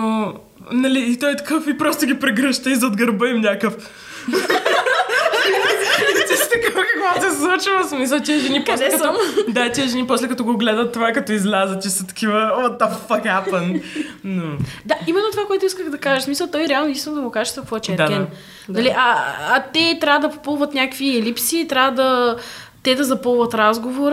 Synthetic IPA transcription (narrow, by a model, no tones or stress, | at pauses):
o | nɐliːt̪ɔjt̪ɐ̥kɤfipɾɔst̪oɡʲipɾɛɡɾəʃt̪əizɐːd̪ɡɐɾbəimnʲakəf | t̪ɛst̪ɐkəfkkoɡat̪ɛslˠut͡ʃvəsmis̬əlˠt̪ʲiəʒɛnipɔslɛkɐt̪ɔd̪at̪ʲiəʒɛnipɔslɛkɐt̪ɔɡoɡlɛd̪ət̪ːovakɐt̪ɔizlʲazət͡ʃɛsɐt̪ɐ̥kʰʲivəot̪ɔpfɐkapənnod̪aimɛnːot̪ovakoɛt̪ʊiskəɣd̪ɐkaʒəʃsmisəlˠt̪ɔjɾɛalˠnoɛit̪inod̪ɐɡokaʒəʃt̪vɐkvɔɛt͡ʃɛɛɾd̪aɛn | nɐliʔɐːt̪ɛt̪ɾʲavəd̪ɐpo̥polˠvət̪nʲakkviɛlipsiːt̪ɾʲavəd̪ɐ | t̪ɛd̪ɐzɐpolˠvɐt̪ɾazɡovoɾ